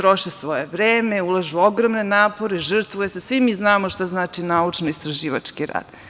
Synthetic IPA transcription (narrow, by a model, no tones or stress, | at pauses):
t̪ɾoʃesʋo̞jeʋɾeːmeulˠaʒuoɡɾomnenaːpo̞ɾeʒr̩t̪ʋujesesʋimiznaːmoʃt̪aznaːt͡ʃinaut͡ʂnoist̪ɾaʒiːʋa̰t͡ʂkiɾa̰ːd̪̥